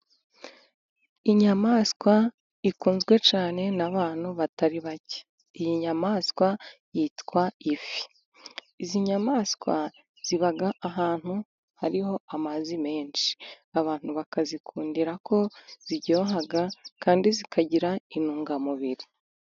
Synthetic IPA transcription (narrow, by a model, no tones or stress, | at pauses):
iɲamaskwa | ikuːnzɡwe̞t͡ʃaːne̞naβaːn̥huβataɾiβace̥ | ijiɲamaːskwajitkwaifi̥ | iziɲamaːskwa | z̥iβaɡaʔaɦaːn̥hu | haɾiho̞amazime̞ːnʃi̥ | aβaːn̥huβakazikʰuːndiɾako̞z̥iɟo̞ːɦaɡakaːndizikaɟiɾainuːŋɡamuβiɾi